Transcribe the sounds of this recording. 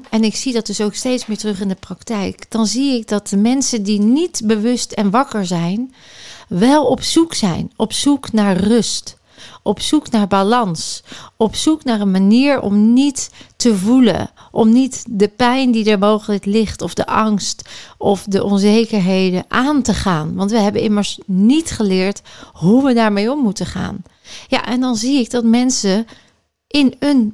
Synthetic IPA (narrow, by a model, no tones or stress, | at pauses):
ɛnɪksidɑt̚dɵsowkstejtsmɪːɹtrɵχɪndəprɑktɛjkd̥ɑnziɪk̚dɑt̚dəmɛnsəndinitbəʋʏstɛnʋɑkəɹzɛjn | ʋɛlˠɔpsuksɛ̰jnɔpsuknaːɹrʏst | ʔɔpsuknaːɹbalɑnsɔpsuknaːɹənmaniːɹɔ̰mnitːəvulə̰ | ʔɔmnitdəpɛjndidəɹmowχələklɪχtɔvdəʔɑŋstʔɔfdəʔɔnzejkəɹɦejdəʔaːntəχaːnʋɑntʋəɦɛbəɪməɹsnitχəlɪːɹtɦuʋədaːɹmejɔmːutəχa̰ːn | ja̰ʔɛndɑnziɪk̚dɑtmɛnsə | ʔɪnən